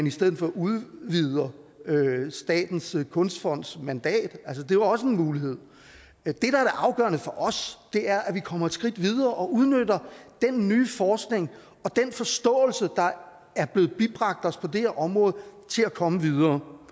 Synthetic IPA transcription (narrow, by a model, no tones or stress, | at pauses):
nisd̥eð̰̩ˠfɒuðˠʋið̞ˠɐøsd̥ɛ̰ːd̥n̩skʰɔ̽nsd̥fɒ̽n̰d̥smænd̥ɛ̰ːd̥æls̬əd̥e̝jɒ̽s̬əe̝nmuːliɦe̝ð̞̰ˠ | d̥e̝ɾ̥ɑ̈æɐɾæʔɑ̈ʊɡ̥ɶ̰ːɐnəfɒ̽ʔɒ̽sd̥e̝æɐʔæʋikʰɒ̽m̰ɐed̥sɡ̥ʁid̥ʋið̞ˠɐːʔɒ̽uð̞ˠnød̥ɐd̥enːyːfɒːsɡ̥ne̝ŋ | ɒ̽d̥enfɒ̽sd̥ɔ̰̽ːl̩səd̥ɑ̈ | æɐb̥le̝ːð̩ˠb̥ib̥ʁɑ̈ɡ̥̚d̥ɒ̽spʰɒ̽d̥eheɐʔɒ̽mʁɔ̽ːð̩ˠt͡sʰe̝lækʰɒ̽məʋið̞ˠɐː